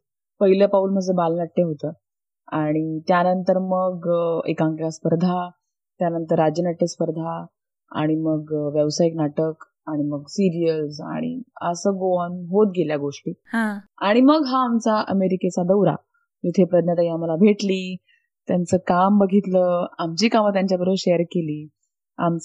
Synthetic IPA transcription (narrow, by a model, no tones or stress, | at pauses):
pəɦiləpauːlm̤əd͡zəbalnaʈːeɦot̪əː | aɽ̃it̪janənt̪əɾməɡḛkãŋklaspəɾd̪ʱa | t̪janənt̪əɾːad͡ʑənaʈːespəɾd̪ʱa | a̰ɽ̃iməɡʋjəʋsajiknaʈək | aɽ̃iməɡsiɾijəsa̰ɽ̃ḭəsəɡoanɦot̪ɡʱeljaɡoʂʈiːhãaɽ̃iməɡɦaːmt͡saʔəmeɾiket͡sad̪əwɾa̰ | d͡zut̪ʰepɾəd̪njat̪aiamalabʱeʈliː | t̪jant͡səːkambəɡʱit̪ləːamt͡ɕiːkamət̪jaɲt͡ɕjabəɾəʋɕejəɾkeliː | a̰mt͡s